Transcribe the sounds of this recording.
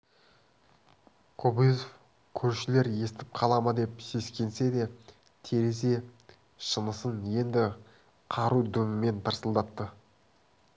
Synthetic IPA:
qʰobijzof | kʲʰɵɾʃɪle̞ɾje̞st̪ɪp̚qʰɑlˠɑmɑd̪e̞pse̞skʲʰe̞nse̞d̪e̞ | t̪ʰe̞ɾe̞se̞ | ʃənəsənje̞nd̪ɪ | qʰɑɾud̪ɵmɪme̞nt̪ʰəɾsəlˠd̪ɑt̪ːə

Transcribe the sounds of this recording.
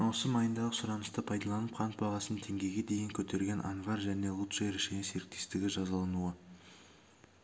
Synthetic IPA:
wo̞səmɑjənd̪ɑʁəsʊɾɑnəst̪əpʰɑjd̪ɑlˠɑnəp̚qʰɑnt̪̚bɑʁɑsət̪ʰe̞ŋɡʲe̞jɡʲe̞d̪e̞jɪŋkʲʰɵt̪e̞ɾɡʲe̞nʔa̰nvɑrʒæne̞lˠut̪ʃeɾeʃenese̞ɾɪk̚t̪e̞st̪ɪɡʲɪʒɑzɑlˠɑnuə

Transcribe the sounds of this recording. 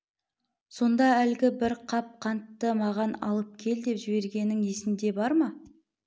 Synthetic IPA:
so̞nd̪ɑælɡʲɪbɪɾqʰɑp̚qʰɑnt̪ːəmɑʁɑnɑ̰lˠəp̚kʲʰe̞ld̪e̞pʒɪbe̞ɾɡʲe̞nːɪŋe̞sɪnd̪e̞bɑɾmɑ

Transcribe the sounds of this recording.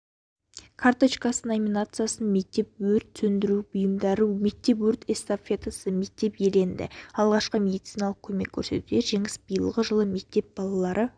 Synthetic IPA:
kʰart̪ot͡ʃkasənomʲinat̪sɨjasənme̞k̚t̪e̞p̚wɵɾt̪sɵnd̪ɪɾubʊjəmd̪ɑɾume̞k̚t̪e̞p̬wɵɾt̪est̪apfʲet̪asəme̞k̚t̪e̞pje̞le̞nd̪ɪ̰ɑlˠʁɑʃqəmʲe̞d̪it̪sijnɑlˠəq̚kʲʰɵme̞kʲʰːɵɾse̞t̪ud̪e̞ɾʒe̞ŋɪsbəjəlˠʁəʒəlˠəme̞k̚t̪e̞p̚b̥ɑlˠɑlˠɑɾʔə

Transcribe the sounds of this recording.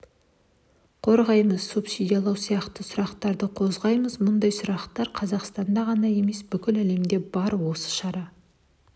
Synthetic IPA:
qʰo̞ɾʁɑjməz̥supsʲid̪ʲijɑlˠɑwsijɑqt̪əsʊɾɑqt̪ɑɾd̪əqʰo̞zʁɑjməzmʊnd̪ɑjsʊɾɑqt̪ɑɾqʰɑzɑqst̪ɑnd̪ɑʁɑnɑje̞me̞sbʏkʲɪlæle̞md̪e̞bɑɾwo̞sə̥ʃɑɾɑ

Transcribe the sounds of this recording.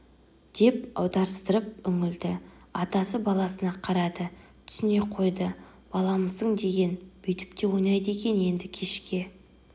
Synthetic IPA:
d̪̥e̞pɑ̰wd̪ɑɾəst̪əɾəp̚ʏŋɪld̪ɪɑt̪ɑsəbɑlˠɑsənɑqʰɑɾɑd̪ət̪ʰʏ̥sɪne̞qʰo̞jd̪ə | b̥ɑlˠɑməzəɴd̪e̞ɡʲe̞nb̥ʏjt̪ʰɪ̥p̚t̪e̞wo̞jnɑjd̪əe̞kʲe̞nje̞nd̪ɪkʲʰe̞ʃkʲe̞

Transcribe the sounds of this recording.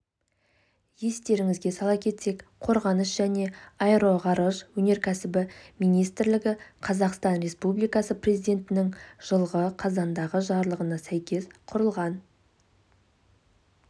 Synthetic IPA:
je̞st̪e̞ɾɪŋɪzɡʲe̞sɑlˠɑkʲʰe̞t̪se̞kqʰo̞ɾʁɑnəsʒæne̞ɑeɾo̞ʁɑɾəʒwɵne̞ɾkʲʰæsɪbɪmijnijst̪ɪɾlɪɡʲɪqʰɑzɑqst̪ɑnre̞spublijkɑsəprʲezijd̪e̞nt̪ɪnɪŋʒ̥əlˠʁəqʰɑzɑnd̪ɑʁəʒɑɾlˠəʁənɑsæjkʲʰe̞sqʰʊɾəlˠʁɑn

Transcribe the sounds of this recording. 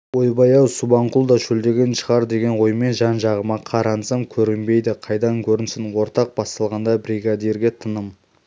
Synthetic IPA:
wo̞jbɑjɑwsubɑɴqulˠd̪ɑʒɵld̪e̞ɡʲe̞nʃəʁɑɾd̪e̞ɡʲe̞nwo̞jme̞nʒɑnʒɑʁəmɑqʰɑɾɑnsəmkʲʰɵɾɪmbe̞jd̪ɪqʰɑjd̪ɑŋkʲʰɵɾɪnsɪnwo̞ɾt̪ɑq̚b̥ɑst̪ɑlˠʁɑnd̪ɑbɾiɡad̪eɾɡʲe̞t̪ʰənəm

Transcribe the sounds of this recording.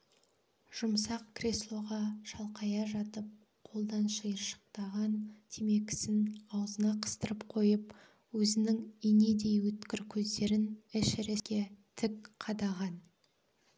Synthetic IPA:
ʒ̥ʊmsɑqkʲʰrʲeslˠo̞ʁɑʃɑlˠqʰɑjɑʒɑt̪əp̚ | qʰo̞lˠd̪ɑnʃəjəɾʃə̥q̚t̪ɑʁɑnt̪ʰeme̞kʲɪ̥sɪnɑwəzənɑqʰə̥st̪əɾəpqʰo̞jəp̚ | wɵzɪnɪŋine̞d̪e̞jwɵt̪kʲɪɾkʲʰɵzd̪e̞ɾɪnɪʃɾeskʲe̞t̪ʰɪkqʰɑd̪ɑʁɑn

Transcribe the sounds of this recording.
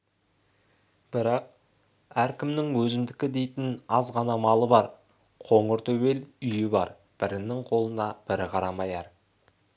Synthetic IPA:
b̥ɪɾɑq̚ | æɾkʲʰɪmnɪŋwɵzɪmd̪ɪkʲɪd̪e̞jt̪ɪnɑzʁɑnɑmɑlˠəbɑɾ | qʰo̞ɴəɾt̪ʰɵwe̞lʏjɪbɑ̰ɾ | b̥ɪɾɪnːɪŋqʰo̞lˠənɑb̥ɪɾɪqʰɑɾɑmɑjɑɾ

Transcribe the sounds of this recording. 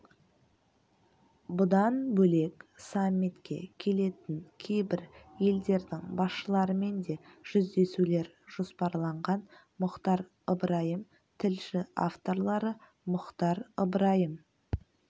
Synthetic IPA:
bʊd̪ɑnbɵle̞ksamʲːit̪kʲe̞̰kʲʰe̞le̞t̪ɪŋkʲʰe̞jbɪɾje̞ld̪e̞ɾd̪ɪŋbɑsʃəlˠɑɾəme̞nd̪e̞ʒ̥ʏzd̪e̞sule̞ɾʒ̥ospɑɾlˠɑɴʁɑn | mʊqt̪ɑɾ | əbɾɑjəm | t̪ʰɪlʃɪa̰ft̪o̞ɾlˠɑɾə | mʊqt̪ɑɾəbɾɑjəm

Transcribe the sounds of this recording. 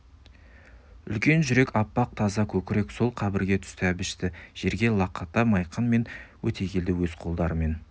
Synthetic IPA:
ʏ̰lkʲe̞nʒʏɾe̞kɑpːɑq̚t̪ʰɑzɑkʲʰɵkʲɪɾe̞kso̞lˠqʰɑbɪɾɡʲe̞t̪ʰʏ̥st̪ɪæbɪʃt̪ɪʒ̥e̞ɾɡʲe̞lˠɑqːɑt̪ːɑmɑjqɑnme̞nwɵt̪ʰe̞kʲʰe̞ld̪ɪwɵzqʰo̞lˠd̪ɑɾəme̞n

